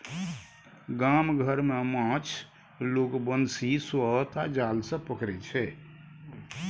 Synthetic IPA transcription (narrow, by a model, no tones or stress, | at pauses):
ɡamɡʱəɾmemãt͡ʃʰ | lokbənsiswət̪ad͡ʒalsə̃pəkɾɛt͡ʃʰɛ